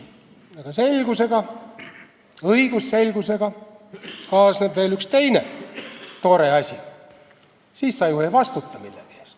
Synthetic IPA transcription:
ɑɡ̥ɑse̞lʲɡ̥use̞ɡ̥ɑ | ɤiɡ̥usːe̞lʲɡ̥use̞ɡ̥ɑ | kɑːsnebve̞ːlykst̪e̞jne | t̪oːɾeɑsʲi | siːssɑjuhevɑst̪ut̪ˑːɑmḭlːepeest̪

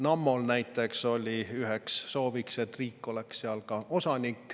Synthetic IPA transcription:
nɑmːolnæjt̪ːˑe̞kso̞lʲiyɦeksːo̞ːvikse̞t̪ːriːkːo̞leksːeɑlkɑo̞sɑnʲikːˑ

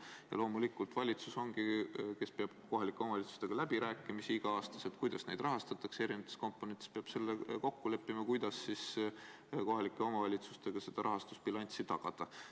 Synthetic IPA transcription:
jɑ̰lo̞ːmulikːˑult̪vɑlʲit̪suso̞ŋɡ̥ike̞spe̞ɑb̥̚ko̞ɦɑlikːˑe̞omɑvɑlʲit̪su̥st̪e̞ɡ̥ɑlæbiɾæːkːˑimisiiɡ̥ɑɑːst̪ɑset̪̚kujd̪ɑsnejd̪rɑɦɑst̪ɑt̪ːˑɑkse̞ɾinevɑt̪ːˑe̥sko̞mpːˑonet̪espeɑb̥se̞lːeko̞kːule̞pːˑimɑkujd̪̥ɑsːis | ko̞ɦɑlikːˑeo̞mɑvɑlʲit̪sust̪e̞ɡ̥ɑse̞d̪̥ɑɾʔɑɦɑst̪usb̥ilɑnʲt̪sit̪ɑɡ̥ɑd̪̥ɑ

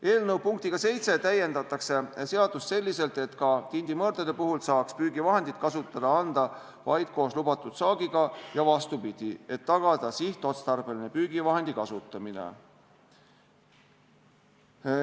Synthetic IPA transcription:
e̞ːlnɤwpuŋk̚t̪iɡ̥ɑse̞jt̪se̞t̪æje̞nd̪ɑt̪ːˑɑkse̞se̞ɑd̪̥ust̪se̞lʲːise̞lt̪e̞t̪kɑt̪ind̪imɤːɾd̪ɑd̪̥e̞puɦulsɑːkspyːɡ̥ivɑɦe̞nd̪̥it̪̚kɑsut̪ːˑɑd̪̥ɑɑnd̪̥ɑ | vɑjd̪̥̚ko̞ːslubɑt̪ːˑud̪̥sɑːɡ̥iɡ̥ɑjɑvɑst̪upid̪̥ie̞t̪ːɑɡ̥ɑd̪̥ɑsiht̪ːˑo̞t̪st̪ɑrb̥e̞line̞pyːɡ̥ivɑɦe̞nd̪̥ikɑsut̪ːˑɑminḛ

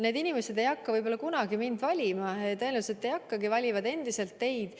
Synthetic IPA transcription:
neːd̪inimese̞d̪e̞jɑkːɑvɯjbo̞lːɑkunɑɡimind̪vɑlʲimɑet̪ːeluset̪ːe̞jɑkːɑɡivɑlʲivɑd̪e̞nd̪̥ise̞lt̪ːe̞jd̪̥

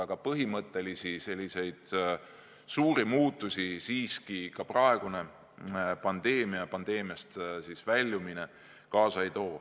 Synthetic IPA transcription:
ɑɡ̥ɑpɤɦimɤt̪ːˑe̞lisise̞lʲːise̞jd̪̥ | suːɾimuːt̪ːˑusʲisiːskikɑprɑe̞ɡ̥une̞ | pɑnd̪e̞ːmiɑpɑnd̪e̞ːmiɑst̪sisvælʲːumine̞ | kɑːsɑejt̪o̞ː

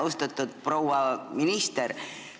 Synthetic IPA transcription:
ust̪ɑt̪ːˑud̪̥̚pro̞wɑminist̪eɾ

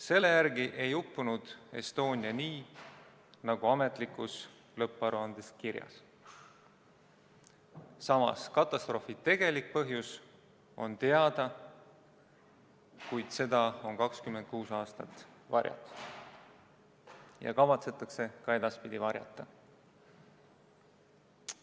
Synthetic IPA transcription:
se̞lːe̞jærɡiʔe̞jupːunud̪̥e̞̰st̪o̞ːnʲiɑniː | nɑɡ̥uɑme̞t̪ˑlikːˑus | lɤpːˑɑɾuɑnd̪̥e̞skiɾjɑ̰s | sɑmɑ̰skɑt̪ːˑɑst̪ro̞ːfit̪e̞ɡ̥e̞lik̚pɤɦjus | o̞̰nt̪e̞ɑd̪̥ɑ | kujd̪̥se̞d̪̥ɑo̞nkɑkskymet̪̚kuːsɑːst̪ɑt̪ːˑvɑɾʲjɑ̰t̪ | jɑ̰kɑvɑt̪se̞t̪ːˑɑkse̞kɑe̞d̪̥ɑspid̪̥ivɑɾʲjɑ̰t̪ːˑɑ

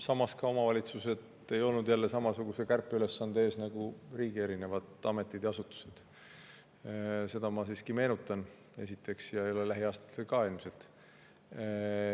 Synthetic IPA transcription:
sɑmɑskɑo̞mɑvɑlʲit̪suse̞d̪ | e̞jo̞lnud̪̥jælːe̞sɑmɑsuɡ̥use̞kærpːˑeyle̞sːɑnd̪̥ee̞ːsnɑɡ̥uriːɡ̥ie̞ɾine̞vɑd̪̥ɑme̞t̪ˑːid̪jɑɑsut̪ːu̥se̞d̪̥ | se̞d̪̥ɑmɑsiːskime̞ːnut̪ːˑɑn | esit̪ːˑe̞ksjɑolelæɦiɑːst̪ɑ̥t̪ːelkɑilmse̞lt̪

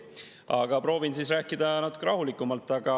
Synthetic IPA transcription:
ɑ̰ɡ̥ɑpɾo̞ːvinsiːsræːkːˑid̪̥ɑnɑt̪ːˑu̥kːeɾɑɦulikːˑumɑlt̪ːˑɑɡ̥ɑ

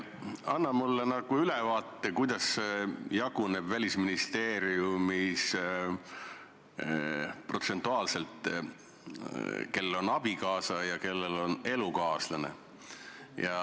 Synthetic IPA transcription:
ɑnːɑmulːenɑɡ̥uylɛvɑːt̪ːekujd̪̥ɑsjɑɡ̥une̞b̥vælʲisminist̪e̞ːɾiumis | pro̞t̪se̞nt̪ːˑuɑːlse̞lt̪ˑ | ke̞lːelo̞nɑb̥ikɑːsɑjɑke̞lːelo̞ne̞lukɑːslɑne̞̰ | jɑ

